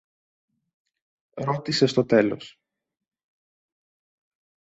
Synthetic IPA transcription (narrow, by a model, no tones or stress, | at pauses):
ɾo̞t̪ise̞st̪o̞t̪e̞lo̞̰s